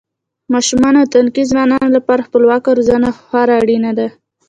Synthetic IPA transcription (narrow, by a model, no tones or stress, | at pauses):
mɑʃumɑnat̪ankizwɑnɑnolapɑɾaxpəlwɑkaɾzanaxaɾaːɽinad̪a